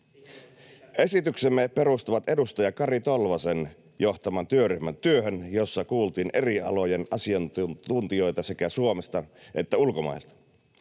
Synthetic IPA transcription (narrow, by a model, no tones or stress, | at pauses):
ʔe̞sit̪yksemːepe̞ɾust̪uʋɑt̪e̞dust̪ojɑkɑrit̪o̞lʋɑsen | jo̞ht̪ɑmɑnt̪yøryhmænt̪yøɦønjo̞sːɑkuːlt̪iːne̞riɑ̰lo̞jenɑsiɑnt̪unt̪io̞jt̪ɑsekæsuomest̪ɑʔe̞t̪ːæulkomɑ̰elt̪ɑ̥